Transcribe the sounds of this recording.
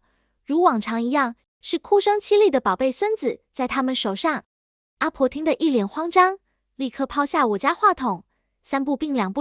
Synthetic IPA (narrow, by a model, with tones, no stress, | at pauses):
ɻu˧˥wɑ˨˩ŋʈ͡ʂʰɑ˧˥ŋi˧˥jɑ˥˩ŋ | ʂɻ̩˥˩kʰu˥ʂɤ˥ŋt͡ɕʰi˥li˥˩d̪ə˩pɑ˨˩ʊpe˥˩ɪswə˥nd͡zɹ̩˨˩t͡sa˥˩ɪt̪ʰa˥mə˨nʂo˨˩ʊʂɑ˥˩ŋ | a˥pʰwɔ˧˥t̪ʰi˥ŋd̪ə˨ʔi˥˩ljɛ˨˩nxwɑ˥ŋʈ͡ʂɑ˥ŋ | li˥˧˩kʰɤ˥˧pʰɑ˥ʊɕja˥˩wɔ˨˩t͡ɕja˥xwa˥˩t̪ʰʊ˨˩˦ŋ | sa˥npu˥˧pi˥˧ŋljɑ˨˩ŋpu˥˩